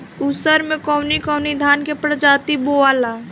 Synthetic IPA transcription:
usəɾmẽkɔːnikɔʊnid̪ʱaːnkepɾəd͡ʒaːt̪iboaːlaː

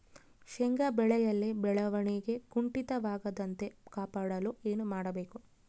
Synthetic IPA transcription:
ʃeŋɡɐbɛɭɛjɐlːibɛɭɐʋɐɳiɡe̞ɡuɳʈit̪ɐʋaːɡɐd̪ɐnt̪e̞kaːpaːɽɐlue̞ːnumaːɽɐbe̞ːku

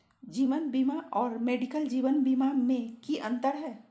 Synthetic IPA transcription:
d͡ʒiːʋənbimaʔɔːɾmeːɖikəld͡ʒiːʋənbimamẽkiʔə̃nt̪əɾɦɛː

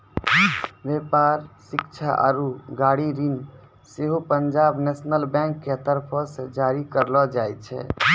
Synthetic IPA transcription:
bepaɾsikt͡ʃʰaʔa̰ɾuɡaɽiɾin | seɦopənd͡ʒabnesnəlbɛ̃ŋkːet̪əɾpʰɔsẽd͡ʒaɾikəɾlɔd͡ʒajt̪t͡ʃʰɛ̰

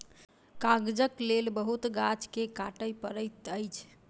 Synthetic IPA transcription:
kaɡd͡ʒəklelbəɦut̪ɡat͡ʃkekaʈəjpəɾət̪əjt͡ʃʰ

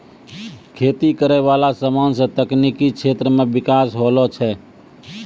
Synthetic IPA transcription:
kʰeːt̪ikəɾɛʋalasəmansə̃t̪əknikikt͡ʃʰet̪ɾəmebɪkasɦolɔt͡ʃʰɛ

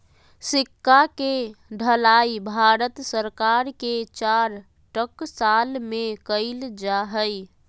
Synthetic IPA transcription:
sɪkːakeɖʱəlaibʱaɾət̪səɾkaɾket͡ʃaɾ | ʈəksalmekəɪld͡ʒaɦəj

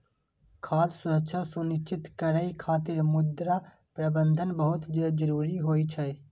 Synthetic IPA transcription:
kʰaːssʊɾəkt͡ʃʰasunɪʃt͡ʃɪt̪kəɾəikʰaːt̪ɪɾmʊd̪ɾa | pɾəbə̃nd̪ʱənbəɦʊt̪d͡ʒəd͡ʒəɾuːɾiɦoːit͡ʃʰɛː

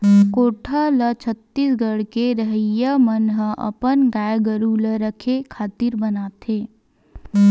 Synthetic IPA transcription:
koːʈʰalət͡ʃʰət̪ːisɡəɽkeɾəɦəjːamənɦəɐ̰pənɡaːjɡəɾuləɾəkʰekʰaːt̪iɾbənaːt̪ʰeː

